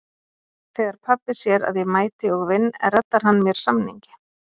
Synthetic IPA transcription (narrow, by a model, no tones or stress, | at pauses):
θeːjðaɾ̥pʰapːɪsjɛɾa̰ðjɛmaːjt̪ɪɔɣvɪnːɛ̰rɛt̪ːaɾ̥ɦanːmjɛɾ̥samnḭɲcɪ̥